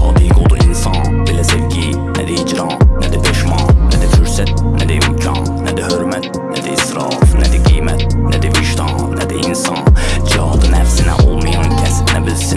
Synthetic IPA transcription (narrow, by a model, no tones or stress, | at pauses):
ɑːd̪iɡod̪uʔinsɑnbelæseɾɟi | næ̰d̪iid͡ʒɾɑːnæd̪æpʰeʃmɑnæd̪æfyɾsæt̪̚næd̪æjud͡ʒʰɑ̰ | næd̪æhøɾmæt̪ | næd̪iisɾɑ̰ːfnæd̪iɡijmæt̪næd̪iviʃt̪ʰɑn | næd̪iinsɑːnd͡ʒɑd̪ɯnæfsinæ̰ʔolˠmijɑncʰæsnæbilsi